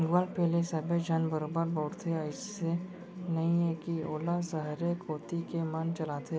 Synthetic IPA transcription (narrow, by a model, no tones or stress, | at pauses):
ɡʋaːlpɛːlesɐbed͡ʒʱɐnbəɾobəɾboːʈt̪ʰeəɪsse | nɐɦĩekioːlasɐɦɾekoːt̪ikemant͡ʃɐlaːt̪ʰe